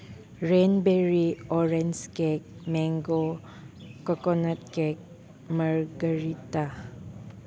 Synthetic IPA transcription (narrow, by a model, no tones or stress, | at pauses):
ɹenbɛɹiɔɹɛnskɛk̚mɛŋɡo | kɔkɔnət̚kɛk̚ | məɹɡəɹita